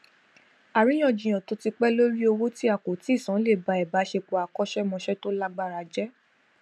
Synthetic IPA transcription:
a˨ɾĩ˨˦j̃ɔ̃˧˨d͡ʒĩ˨j̃ã˨to˧˦ti˧k͡pɛ˦lo˦ɾi˦o˧wo˦ti˦a˦˨ko˨ti˨˦i˦˨sã˨˦le˦˨ba˨˧ɛ˨ba˨˦ʃe˧k͡po˨a˨kɔ˦ʃɛ˦mɔ̃˧ʃɛ˦to˦la˦ɡ͡ba˦˨ɾa˨˧d͡ʒɛ˦

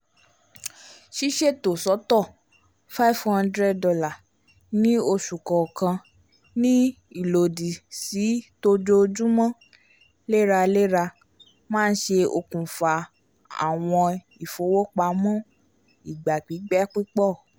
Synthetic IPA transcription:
ʃi˦ʃe˦˨to˨sɔ˨˦tɔ˦˨ | fa˦˨vhã˦ndɾɛ˦˨ddɔ˧la˨ | nĩ˦o˧ʃu˨kɔ˨kã˧ | nĩ˦ | i˦˨lo˨di˨si˨˦to˧d͡ʒo˧d͡ʒũ˦mɔ̃˦ | le˦ɾa˧le˦ɾa˧ | mãː˦n̩˦ʃe˧o˧kũ˨fa˧ | a̰˨w̃ɔ̃˧ | i˨fo˨˦wo˦k͡pa˧˦mɔ̃˦ | i˨ɡ͡ba˨k͡pi˨˦ɡ͡bɛ˦k͡pi˦k͡pɔ˦˨

